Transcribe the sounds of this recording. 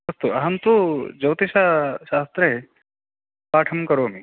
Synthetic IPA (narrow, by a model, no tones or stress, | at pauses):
ɐst̪uɐɦɐnt̪ud͡ʒɐwt̪iʃaʃaːst̪ɾɐɦe | paːʈʰɐmkɐɾoːɐmi